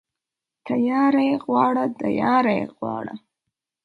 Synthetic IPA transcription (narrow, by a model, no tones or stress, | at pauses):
t̪ajɑːɾajeɣwɑɽad̪ajɑɾajḛɣwɑ̰ɽa̰